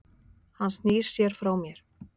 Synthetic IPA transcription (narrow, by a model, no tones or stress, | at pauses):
hanst̪niːssjɛɾ̥fɾawmjɛɾ̥